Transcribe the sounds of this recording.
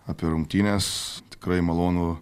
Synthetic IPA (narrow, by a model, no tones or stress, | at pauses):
apʲiɛɾʊŋkt̪ʲiːnʲest̪ʲɪ̥kɾɐɪmɐlˠoːnuː